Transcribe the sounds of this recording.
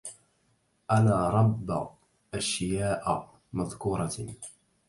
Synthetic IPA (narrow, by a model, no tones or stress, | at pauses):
ʔanaːɾˤɑbː | ʔaʃjaːʔ | maðkuːɾˤɑ